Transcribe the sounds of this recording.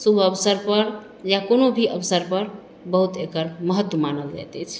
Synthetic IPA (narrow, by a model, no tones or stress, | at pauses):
subʱəbsəɾpəɾ | jakonobʱiʔəbsəɾpəɾ | bəɦut̪ekəɾməɦət̪ːwəmanəld͡ʒa̰jt̪ɛt͡ʃʰ